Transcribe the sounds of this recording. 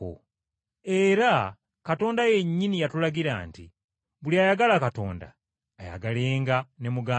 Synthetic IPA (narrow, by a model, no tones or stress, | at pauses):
o̰ | e̞ɾa | kato̞ːndaje̞ɲːinijatulaɡiɾa̰ːntḭ | βuliaːjaɡalakato̞̰ːnda̰ː | ja̰ɡaleːŋɡane̞muɡaː